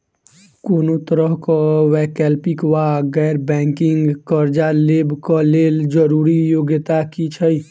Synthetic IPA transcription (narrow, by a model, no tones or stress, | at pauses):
koːnot̪əɾəɦkɔwɛːkɛːlpikwaɡɛːɾbɛ̃ːŋkɪŋɡkəɾd͡ʒalebkɔleːld͡ʒəɾuːɾijoːɡət̪akit͡ʃʰəi